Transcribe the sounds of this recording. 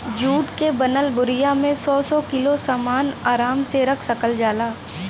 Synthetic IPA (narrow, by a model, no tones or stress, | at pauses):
d͡ʒuːʈkebɐnəlbʊɾɪjamẽsɔːsɔkɪlosaːmaːnaːɾaːmseɾɐkʰsɐkəld͡ʒaːlaː